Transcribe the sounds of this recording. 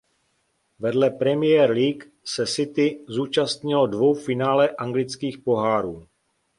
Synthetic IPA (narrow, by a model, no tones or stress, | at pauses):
vɛdlɛpɾɛmɪjɛɾliːk | sɛsɪt̪ɪzuːt͡ʃast̪ɲɪlodvo̞wfɪnaːlɛʔaŋɡlɪt͡skiːxpo̞ɦaːɾuː